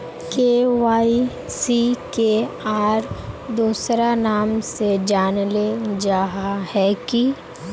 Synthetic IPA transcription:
keːʋaːi | sikeaːɾd̪uːsɾanaːmsed͡ʒaːnled͡ʒaːɦahɛki

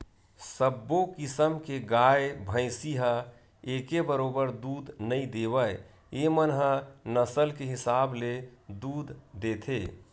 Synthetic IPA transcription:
səbːokɪsəmkeɡaːebʱə̃ɪsiɦə | eːkebəɾoːbəɾd̪uːd̪nəĩd̪eːwəj | emənɦənəsəlkeɦɪsaːbled̪uːd̪ʱd̪eːt̪ʰeː

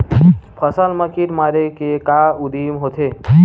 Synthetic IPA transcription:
pʰəsəlməkiʈmaːɾekekaʊd̪imɦot̪ʰe

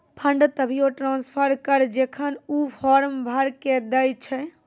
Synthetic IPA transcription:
pʰəɳɖt̪əbʱijoʈɾãnspʰəɾkəɾd͡ʒekʰənupʰɔɾmbʱəɾked̪əjt͡ʃʰɛ

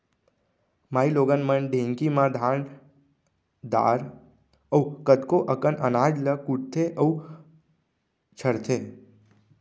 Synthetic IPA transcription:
maːiloːɡənmənɖʱẽŋkimãd̪ʱaɳ | d̪a̰ːɾ | əwkət̪koʔəkənʔənaːd͡ʒləkuʈ̚t̪ʰeʔə | t͡ʃʰəɾt̪ʰe

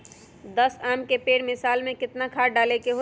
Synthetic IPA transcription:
d̪əsaːmkepeːɽmɪsaːlmẽkɪt̪nakʰaːɖaːlekeɦo

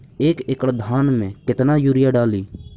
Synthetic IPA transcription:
eːkɪkəɽd̪ʱaːnmẽkɪt̪najuɾɪjaɖaːliː

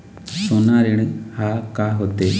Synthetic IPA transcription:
sonːaːɾiɽɨhakaɦot̪ːe

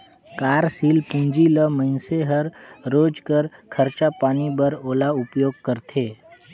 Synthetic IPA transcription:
kaːɾsiːlpũnd͡ʒiləməɪnseɦəɾɾoːd͡ʒkəɾkʰəɾt͡ʃapaːnibəɾoːlaʊpjoːɡ̚kəɾt̪ʰeː

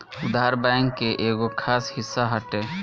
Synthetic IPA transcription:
ʊd̪aːɾbɛ̃ːŋkːeʔeːɡokʰaːshɪsːaɦəʈeː

